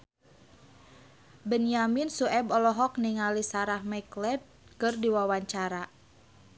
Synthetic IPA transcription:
bənjaminsuɛbɔlɔɦɔk̚niŋalisaɾahmɛklɛd̚kɨrdiwawaɲt͡ʃaɾa

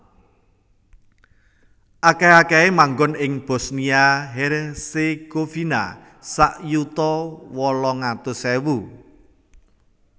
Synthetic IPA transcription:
ʔakeakɛemaŋɡʊnɪŋb̥ɔ̤sniaɦerseɡ̥ofina̰ | saʔjut̪ɔwɔlɔŋat̪usɛwu

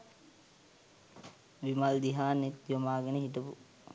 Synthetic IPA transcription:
ʋimald̪iɦaːnet̪jomaːɡənəɦiʈəpu

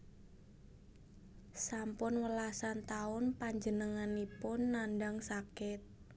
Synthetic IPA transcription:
sampʊnwəlasant̪aʊnpaɲd͡ʒənəŋanipʊnːandaŋsakɪt̪̚

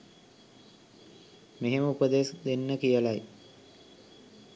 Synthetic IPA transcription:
meɦeməupəd̪esd̪enːəkijəlaj

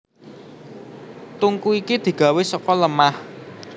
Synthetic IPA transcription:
t̪uŋkuikid̪̥i̤ɡ̥a̤wesɔkɔləmah

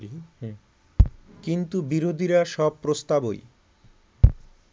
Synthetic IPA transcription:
kint̪ubiɾod̪ʱiɾaʃɔb̚pɾost̪abo̰j

